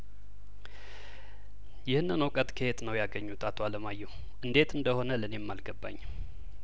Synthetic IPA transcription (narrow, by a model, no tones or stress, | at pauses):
jɪhnːɨnəwkʼət̪ʼkʰəhet̪nəwjaɡəɲːut̪ʼat̪ʰoaləmajːɛw | ʔɨnd̪e̞t̪ʰɨnd̪əho̞nələne̞mːalɡəbːa̰ɲː